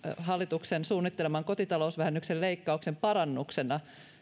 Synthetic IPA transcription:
ɦɑlːit̪uksensuːnːit̪ːelemɑŋko̞t̪it̪ɑlousʋæhænːykselle̞ikːɑuksempɑɾɑnːuksenɑ

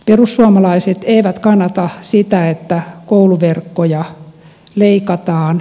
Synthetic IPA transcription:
perusːuɑmɑlɑiset̪eiʋæt̪kɑnːɑt̪ɑsit̪æet̪ːækouluʋerkːojɑ | leikɑt̪ɑːn

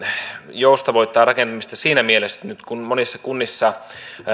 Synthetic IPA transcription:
joust̪ɑʋoit̪ːˑɑːrɑkent̪ɑmist̪ɑsiːnæmielest̪ænyt̪kunmonisːɑkunːisːɑ

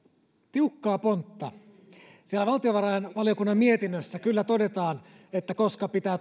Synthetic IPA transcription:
t̪iukːɑːpont̪ːɑ | sielæʋɑlt̪ijoʋɑɾɑjenʋɑlijo̞kunːɑmmie̞t̪inːøsːækylːæt̪o̞de̞t̪ɑːn | et̪ːækoskɑpit̪æː

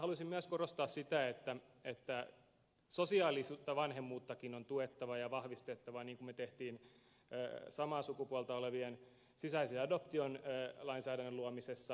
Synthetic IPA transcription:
hɑlusimmyæskorost̪ɑːssit̪æet̪ːæet̪ːæ | sosiɑːlisuːt̪ːɑʋɑnhemːuːt̪ːɑkinont̪uet̪ːɑʋɑjɑʋɑhʋist̪et̪ːɑʋɑniːŋkummet̪eht̪iːnː | sɑmɑːsukupuɑlt̪ɑoleʋien | sisæiseɑdopt̪ionːlɑinsæːdænːøluomisesːɑ

